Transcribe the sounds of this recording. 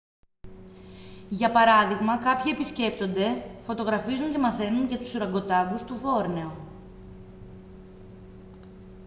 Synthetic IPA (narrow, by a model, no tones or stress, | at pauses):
ʝɐpɐɾɐðiɣmɐkɐpçie̞pisce̞pt̪o̞nd̪e̞fo̞t̪o̞ɣɾɐfizuɲce̞mɐθe̞nunʝɐt̪u̥suɾɐŋɡo̞t̪ɐɡust̪uvo̞ɾne̞o